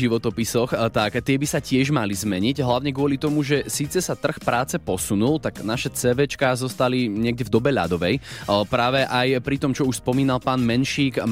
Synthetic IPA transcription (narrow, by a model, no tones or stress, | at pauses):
iʋɔt̪ɔpisɔxt̪akt̪ɪɛbisacɪɛʒmalizmɛɲiɟɦlaʊɲɛɡʊɔlit̪ɔmuʒɛsiːt͡sɛsat̪r̩xpɾaːt͡sɛpɔsunult̪aɡnaʃɛt͡sɛʋɛt͡ʃkazɔst̪aliɲɪɛɡ̚ɟɛvd̪ɔbɛʎa̰d̪ɔʋɛjpɾaːʋɛʔajpɾit̪ɔmt͡ʃɔuʃspɔmiːnalpaːnmɛnʃiːk